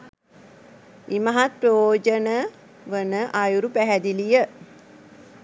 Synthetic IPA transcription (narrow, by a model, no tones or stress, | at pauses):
imaɦat̪̚prəjoːd͡ʒənə | ʋənəʔajuɾupæɦæd̪ilijə